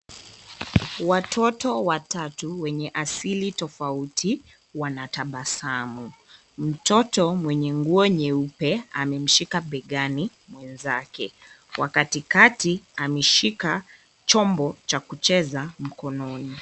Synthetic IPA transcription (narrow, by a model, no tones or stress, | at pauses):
watʰɔtɔwatatuwɛɲɛʔasilitɔfautʰi | wanataɓasamu | m̩tɔtɔmwɛɲɛŋɡuɔɲɛupɛa̰mɛm̩ʃikaɓɛɠani | mwɛnzakɛ | wa̰katikatiamɛʃika | t͡ʃɔmbɔt͡ʃakut͡ʃɛzam̩kɔnɔni